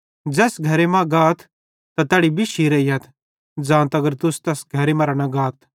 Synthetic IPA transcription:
d͡ʒɛːsɡʱɐɾemãɡaːt̪ʰ | t̪at̪ɛːɽibʱiʃʰiɾɐiɦɐt̪ʰ | d͡zãːnt̪ɐɡəɾt̪ʊst̪ɛːsɡʱɐɾemɐːɾanɐɡaːt̪ʰ

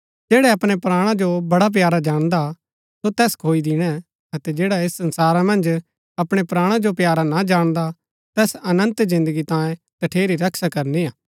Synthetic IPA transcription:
d͡ʒeːɽɛɐpɽ̃epɾaːɽ̃ãd͡ʒobɐɽap̬jaːɾad͡ʒaːɽ̃d̪a | sot̪ɛːskʰoːid̪ɪɽ̃ɛ | ɐt̪ɛd͡ʒeːɽaeːsːɐ̃nsaːɾamɐ̃nd͡ʒ | ɐpɽ̃epɾaːɽ̃ãd͡ʒopjaːɾanad͡ʒaːɽ̃d̪a | t̪ɛːsɐnə̃nt̪zɪ̃nd̪əɡit̪ãːjẽ | t̪ɐʈʰeːɾiɾɐkʃakɐɾniaː

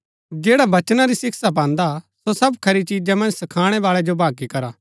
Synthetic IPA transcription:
d͡ʒeːɽaʋɐt͡ʃnaɾisɪksap̬ãːnd̪asosɐbkʰɐɾit͡ʃiːd͡ʒamɐ̃nd͡ʒsɐkʰaːɽ̃ɛʋaːɭɛd͡ʒobʱaːɡikɐɾaː

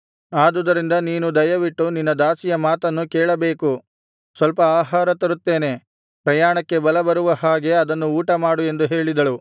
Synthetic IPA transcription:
aːd̪ud̪ɐɾind̪ɐniːnud̪ɐjɐʋiʈːuninːɐd̪aːsijɐmaːt̪ɐnːukɛːɭɐbe̞ːku | sʋɐlpɐaːɦaːɾɐt̪ɐɾut̪ːe̞ːne̞ | pɾɐjaːɳɐkːe̞bɐlɐbɐɾuʋɐhaːɡe̞ɐd̪ɐnːuuːʈɐmaːɽue̞nd̪uɦe̞ːɭid̪ɐɭu

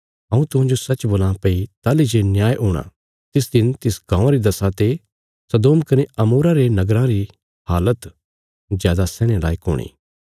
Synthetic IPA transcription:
ɐ̃ːũt̪ʊɦãːd͡ʒosɐːt͡ʃboːlãpɐit̪aːlid͡ʒenjaːjɦoːɽ̃ã̰ | t̪ɪsd̪ɪnt̪ɪsɡãːãɾid̪ɐsat̪e | sɐd̪oːmkɐneʔɐmuːɾaɾenɐɡɾãɾi | haːlət̪ | zjaːd̪asɛːɽ̃ela̰ːiko̰ːɽ̃ḭː

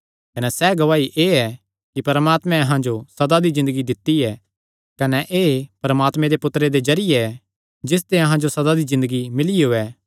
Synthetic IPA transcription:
kɐnɛsɛːɡɐʋaːiʔeːɛ | kipɐɾmaːt̪mɛ̃ɐɦãd͡ʒosɐd̪ad̪izɪ̃nd̪əɡid̪ɪt̪ːiɛ | kɐnɛʔeːpɐɾɐmaːt̪mẽd̪epʊt̪ɾed̪ezɐɾɪjeɛ | d͡ʒɪs̬t̪eɐɦãd͡ʒosɐd̪ad̪izɪ̃nd̪əɡimɪliɦoːɛː

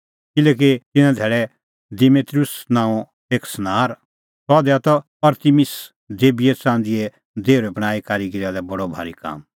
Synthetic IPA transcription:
kɪlɛːk̬it̪ɪnãd̪ʱɛːɽɛ | d̪ɪmeːt̪ɾusnãːũ | eːksnaːɾ | sɔːd̪ɛat̪ɔ | ɐɾt̪imɪs | d̪eːbijɛt͡sãːnd̪iɛ | d̪eːʊɾɛbɐɽ̃aːikaɾiɡɪɾad̪ɛbɐɽobʱa̰ːɾika̰ːm

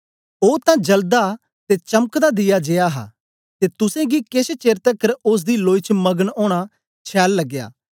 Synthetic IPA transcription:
oːt̪ãd͡ʒɐld̪a | t̪et͡ʃɐmkd̪ad̪ɪjad͡ʒejaɦa̰ː | t̪eːt̪ʊsẽɡikɪst͡ʃeːɾt̪əkəɾʊs̬d̪iloːit͡ʃmɐɡənoːɽ̃a | t͡ʃʰɛːlːɐɡːja̰ː

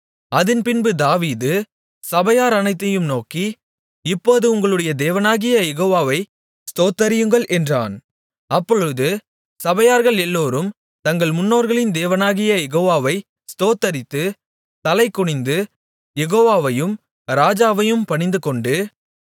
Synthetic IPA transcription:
ɐðɪnpɪnbɯd̪aːʋiːðɯ | sɐbɐjaːɾɐnɐɪt̪ːɐjɯmnoːki | ɪpːoːðɯʊŋɡɐɭɯɽɐjɐd̪eːʋɐnaːɣɪjɐjɛɣoːʋaːʋɐɪ | st̪oːt̪ːɐɾɪjɯŋɡɐɭʔɛndra̰ːn | ɐpːɔɻɯðɯ | sɐbɐjaːɾɣɐɭɛlːoːɾɯm | t̪ɐŋɡɐɭmʊnːoːɾɣɐɭɪnd̪eːʋɐnaːɣɪjɐjɛɣoːʋaːʋɐɪ | st̪oːt̪ːɐɾɪt̪ːɯ | t̪ɐlɐɪkːʊɳɪnd̪ɯ | jɛɣoːʋaːʋɐjɯm | ɾaːd͡ʒaːʋɐjɯmpɐɳɪnd̪ɯkɔɳɖɯ

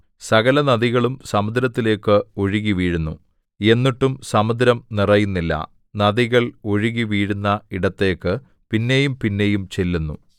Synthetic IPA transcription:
sɐɣɐlɐnɐðiɣɐɭumsɐmud̪ɾɐt̪ːile̞ːkːɨoɻiɣiʋiːɻunːṵ | e̞nːiʈːumsɐmɐd̪ɾɐmnirɐjunːilːɐ̰ | nɐðiɣɐɭo̞ɻiɣiʋiːɻunːɐiɽɐt̪ːe̞ːkːɨ | pinːe̞jumpinːe̞jumt͡ɕe̞lːunːṵ

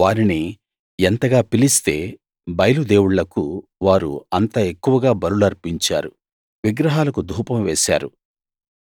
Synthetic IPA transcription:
ʋaːɾini | ent̪ɐɡaːpilist̪e̞̰ː | bɐjɐlud̪e̞ːwuɭlɐkuʋaːɾṵɐnt̪ɐe̞kːuʋɐɡaːbɐɾulɐɾpiɲt͡ʃa̰ːɾu | ʋiɡɾɐɦaːlɐkud̪ʱuːpɐmʋeːsa̰ːɾu

